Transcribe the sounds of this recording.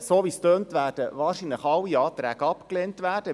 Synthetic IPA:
soːʋistøːntʋæːrd̥əʋɑːrʃinləχɑlːiɑːt̪ɾæːɡ̥əɑpkleːntʋæːrd̥ə

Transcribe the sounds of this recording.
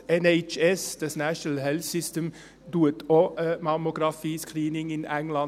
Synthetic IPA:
ɛnɛɪt͡ʃɛsd̪əsnæʃəlhɛlsɪst̪əm | d̪uːət̪ʰoːmɑmʊɡɾɑfiːskʰɾiːnɪŋɪnɛŋlɑn

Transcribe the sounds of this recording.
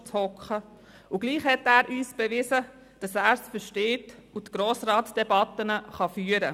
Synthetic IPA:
t͡shɔkχə | uɡ̥liːχhɛtæːɾʔyːsb̥ɛʋɪzə | d̥ɑsæːɾsfəʃteːtutɡ̥ɾoːsɾɑːtsd̥ɛbɑt̪ːənəχɑfyːəɾə̰

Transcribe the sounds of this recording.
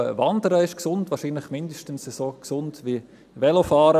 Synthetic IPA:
əvɑndəɾəɪʃksʊndvɑːʃiːnlɪχmɪndəʃtən̩səsoːksʊndʋi | ʋɛlofɑːɾə

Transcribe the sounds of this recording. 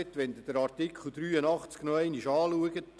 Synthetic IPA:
ɛt̪ʋɛnd̪əd̥əɾɑrtɪkʰχl̩ˠd̪ɾyːənɑχt͡sknɔɛɪniʃɑːluəɡət

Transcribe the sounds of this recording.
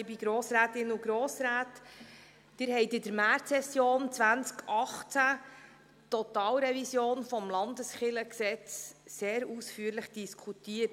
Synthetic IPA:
ɪbiɡɾoːsɾæːtɪnuɡɾoːsɾæːtː | ɪɾɦɛɪtɪd̥əɾmæɾtsɛsjoːnt͡sʋænt͡skʰʔɑχt͡sæ | tɔt̪ɑːlɾɛvisjoːnfɔmlɑndəsχɪləksɛt͡sseːɾusfyːəɾləχd̥iskʰutiːət

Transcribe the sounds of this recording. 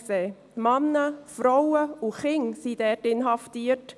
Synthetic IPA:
seː | mɑnːəfɾɔwəuχɪŋsid̥ɛːtɪnɦɑftiːət

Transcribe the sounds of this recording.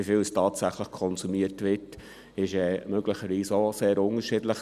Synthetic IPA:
ifɪlstʰɑːtsæχləχkʰɔnsumiətʋɪt | ɪʃɛːmøɡləχəɾʋiːsəoseːɾʊŋəʃɪdləχ

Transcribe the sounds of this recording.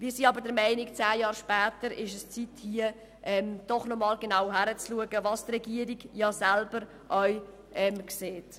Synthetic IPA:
viːsiːɑbəɾdəɾmɛɪnikt͡sæːjɑːɾʃpæːtəɾɪʃəst͡sithiə | ʔɛmd̥ɔχnɔmɑːlɡenawɦæɾət͡sluəɡəvɑstʁɛɡiəɾiɡjɑːsælb̥əɾ | ʔœʏ | ʔɛmkseːt

